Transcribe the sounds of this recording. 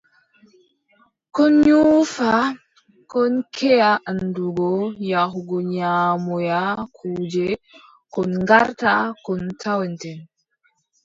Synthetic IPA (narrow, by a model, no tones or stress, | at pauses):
kɔnɲufa | kɔnkʰɛjaʔanduɡɔjaɦuɡɔɲamɔjakʰuːd͡ʒɛ | kɔnŋɡaɾtakɔntʰawɛntɛn